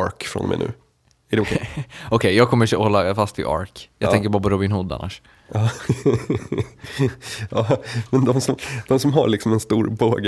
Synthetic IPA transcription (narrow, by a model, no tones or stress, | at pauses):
ɾkfɾɔ̰nmɛ̰jnʉ̟̰ː | æɖɛʊkʰɛɔkʰɛjjɑːɡ̚kʰɔməɔhɔlːafast̪ʰɪ̰ʔɑ̰ɾkjɑɡt̪ɛŋkəbɑːɾap̬ɔɾʊbɪnhʊd̪ːa̰nːa̰ʂ | ɑː | ɑːmɛnd̪ɔmsɔmd̪̥ɔmsɔmɦa̰lɪksɔmɛnst̪uːɾboːɡ